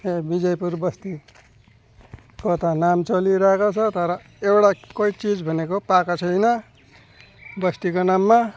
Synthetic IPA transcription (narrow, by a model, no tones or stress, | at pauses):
ebid͡zʌjpuɾbʌst̪i | kot̪ʌnamt͡sʌliɾaekot͡sʰʌt̪ʌɾʌ | ewɽakʌit͡sid͡zbʱʌnekopakat͡sʰʌjnʌ | bʌst̪ikonamːa